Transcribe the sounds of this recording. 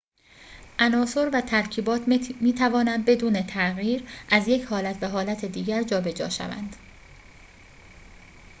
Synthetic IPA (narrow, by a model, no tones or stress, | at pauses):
ʔænɒːso̞ɾvæt̪ʰæɾcʰiːbɒːt̪ʰmiːt̪ʰævɒːnænd̪̚be̞d̪uːne̞t̪ʰæʔɣiːɾʔæzje̞cʰhɒːlæt̪ʰbæɦɒːlæt̪ʰed̪iːɟæɾd͡ʒɒːbe̞d͡ʒɒ̰ːʃæ̰væ̰nd̪̥